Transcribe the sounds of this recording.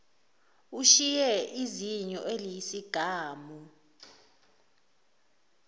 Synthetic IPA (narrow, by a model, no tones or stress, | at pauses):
uʃijɛʔiziɲɔʔelijisiɡ̥ʱaːmu